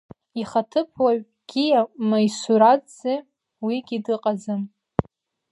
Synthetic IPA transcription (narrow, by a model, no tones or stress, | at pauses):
iχatʰɨpʰwaɥ | ɡ̥ʲiamajsuɾat͡sze | wiɡʲidɨqʼazɨm